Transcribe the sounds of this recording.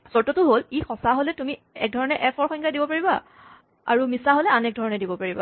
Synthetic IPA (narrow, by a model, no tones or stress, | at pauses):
sɔɹtɔtʊɦolixɔsaɦolɛtumi | ɛ̰k̚dʱɔɹɔnɛʔɛfʰɔɹxɔjŋkadibɔpaɹiba | a̰ɹumisaɦolɛanɛk̚dʱɔɹɔnɛdibɔpaɹiba̰